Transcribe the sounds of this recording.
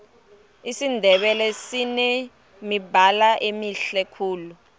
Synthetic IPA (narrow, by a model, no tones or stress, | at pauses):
isindʱɛɓɛlɛsinɛ | mibʱalaʔemiɬɛkʰuːlu